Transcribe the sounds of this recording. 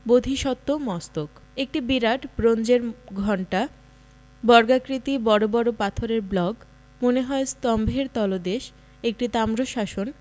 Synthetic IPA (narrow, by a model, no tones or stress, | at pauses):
bod̪ʱiʃɔt̪ːomɔst̪ok | ek̚ʈibiɾaʈbɾond͡ʑeɾɡʱɔɳʈa | bɔɾɡakɾit̪ibɔɾobɔɾopat̪ʰoɾeɾblɔɡ | moneɦɔest̪ɔmbʱeɾt̪ɔlod̪eʃ | ek̚ʈit̪amɾoʃaʃon